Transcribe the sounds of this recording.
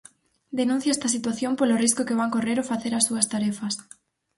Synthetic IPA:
d̪enũn̟θjaɛst̪ɐsit̪waθjompoloriskokeβaŋkoreɾofaθeɾasuɐst̪aɾɛfɐs

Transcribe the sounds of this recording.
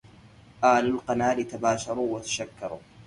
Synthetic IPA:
ʔaːlalqɑnaːlɪt̪abaːʃɑɾˤuːwat̪ḁʃakːɑɾˤuː

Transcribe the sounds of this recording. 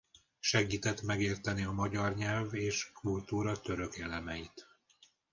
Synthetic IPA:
ʃɛɡiːt̪ɛt̪mɛɡeːrt̪ɛniɒmɒɟɒrɲɛlveːʃkult̪uːɾɒt̪ø̞ɾø̞kelɛmɛjit̪

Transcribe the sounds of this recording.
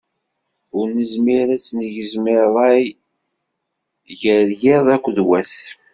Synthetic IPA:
ʊɾnəzmiɾæsnəʝəzmɪɾːˤɑj | ʝəɾjeðˤækʷːðwæs

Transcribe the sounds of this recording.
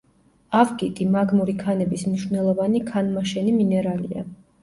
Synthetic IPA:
avɡit̪ʼimaɡmuɾikʰanɛbismniʃvnɛlˠɔvanikʰanmaʃɛniminɛɾalḭa̰

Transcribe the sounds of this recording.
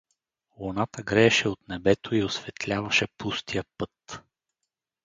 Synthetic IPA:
lonat̪əɡɾɛːʃɛot̪nɛbɛt̪oiosvɛt̪lʲavɐʃɛpust̪ijəpɤt̪

